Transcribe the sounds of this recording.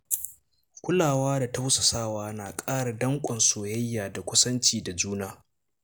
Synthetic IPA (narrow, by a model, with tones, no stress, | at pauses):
kʷʊ˦laː˨waː˦da˨ta˦wsɐ˨saː˦waː˦naː˨kʼaː˦ɽa˨dɐ˦ŋkʷʼɐ˨nsoː˨jɐ˦jːaː˨da˨kʷʊ˦sɐ˦nt͡ʃiː˨da˨d͡ʒuː˦naː˦